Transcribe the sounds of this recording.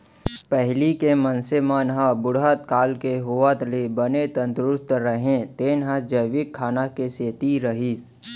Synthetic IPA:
pəɦlikemənsemaːnɦabʊɽɦat̪kaːlkeɦuat̪lebənet̪ə̃nt̪ɾʊst̪ɾəɦẽt̪eːnɦəd͡ʒəjʋɪkʰːaːnakeseːt̪iɾəɦis

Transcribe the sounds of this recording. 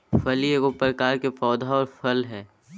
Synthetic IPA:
fʰɐljekopɾɐkaːɾkefɔːd̪ʱaɔːɾfʰɐlɦɛː

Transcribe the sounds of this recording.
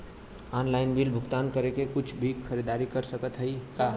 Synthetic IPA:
ɔnlaɪnbilbʱʊkt̪ankəɾekekʊt͡ʃʰbʱikkʰəɾid̪aːɾikəɾsəkət̪ɦəika

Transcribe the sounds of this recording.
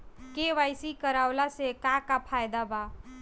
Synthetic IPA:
keʋajsikəɾaʊlasekakapʰajd̪aba

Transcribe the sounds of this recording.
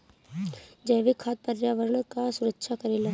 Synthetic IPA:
d͡ʒɐʋɪkʰaːt̪̚pəɾjaːʋəɾəɳkasʊɾəkʃʰakɐɾeːlaː

